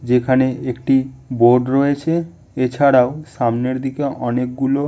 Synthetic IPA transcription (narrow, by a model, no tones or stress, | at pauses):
d͡ʑekʰaneekʈiboɾɖɾoet͡ɕʰe | et͡ɕʰaɽaoʃamneɾd̪ikeʔɔnek̚ɡulo